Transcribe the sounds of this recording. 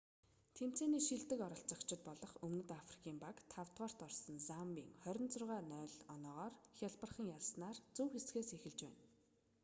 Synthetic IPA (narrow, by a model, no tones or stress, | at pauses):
t̪ʰem̥t͡seːniːʃiɮt̪ɘ̆kɔɾɞ̆ɬt͡sə̆kt͡ɕʰɪ̆t̪̚pɔɮɞ̆χɵmnɵ̆t̪afri̥kʰiːmpakt̪ʰawt̪ʁɔːr̥t̪ɔrsə̆nsampḭːŋχœɾʲɪ̆nt͡sʊrʁaːnœːɮɔnɔːʁɔːrxʲaɮpə̆rχə̆ŋjaɮsnaːrt͡sɵwxet͡sɡeːsexɘ̆ɮt͡ɕpæ̰ːn